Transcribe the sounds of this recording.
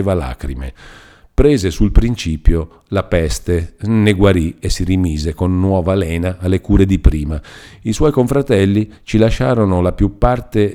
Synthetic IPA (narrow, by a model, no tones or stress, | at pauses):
vala̰ːkɾḭmḛ | pɾɛːzesulpɾint͡ʃiːpjo | lapɛst̪eneɡwaɾiesirimiːzekonːwɔːvalɛːnaːlːekuːɾed̪ipɾiːmaiswɔjkoɱfɾat̪ɛlːit͡ʃilaʃːaːɾonolapjupːart̪e